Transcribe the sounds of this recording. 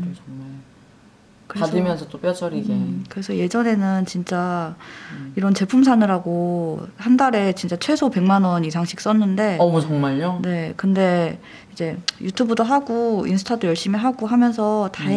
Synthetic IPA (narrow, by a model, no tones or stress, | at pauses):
t͡ɕʌŋmaɭ | kɯɾeadɯmjʌnsʰʌt͈op͈jʌt͡ɕʰʌɾiɡekɯɾe̞sʰʌje̞d͡ʑʌne̞nɯnt͡ɕint͡ɕ͈a | iɾʌnt͡ɕe̞pʰumsʰanɯɾaɡohandaɾe̞t͡ɕint͡ɕ͈at͡ɕʰwe̞sʰope̞ŋmanʌnisʰaŋɕ͈ʰi̥k̚s͈ʌnːɯnde̞mut͡ɕʰʌŋmaɭɲone̞kɯnde̞ | id͡ʑe̞jutʰubɯdoɦaɡoinsʰɯ̥tʰadojʌɭɕ͈imiɦaɡoɦamjʌns̬ʰʌta